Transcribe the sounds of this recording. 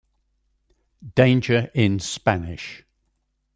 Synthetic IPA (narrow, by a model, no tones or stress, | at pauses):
d̥ẽɪ̃nd͡ʒəɹʔɪ̃nspanɪ̰ʃ